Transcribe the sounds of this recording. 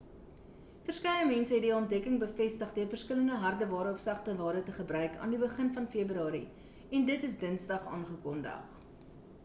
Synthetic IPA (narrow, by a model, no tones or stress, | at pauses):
fərskɛɥəmɛnsəɦɛtdiɔnt̚dɛkəŋbəfɛstəχdøərfərskələndəɦɐrdəvɑːɾəɔfsɐχtəvɑːɾətəχəbrœɥkʰɑ̰ːndibəχənfɐnfeəbɾyɑːɾḭ | ɛndətəs̬dənsdɐχɑ̰ːnχəkɔndɐ̰χ